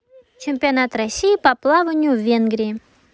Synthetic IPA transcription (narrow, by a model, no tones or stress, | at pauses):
t͡ɕɪmʲpʲɪɐnat̪rɐsʲːijipɐplˠavənʲjuvʲenɡɾʲɪɪ